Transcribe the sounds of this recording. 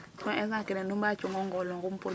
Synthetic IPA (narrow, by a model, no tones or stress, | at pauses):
tɔ̃ʔɛzakɛnɛnumbat͡ʃuŋɔŋɡɔlɔŋɡum̩pul